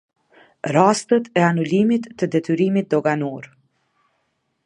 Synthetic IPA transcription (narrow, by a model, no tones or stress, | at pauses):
rast̪ət̪ɛanulimit̪ːəd̪ɛt̪yɾimit̪̚d̪ɔɡanɔɾ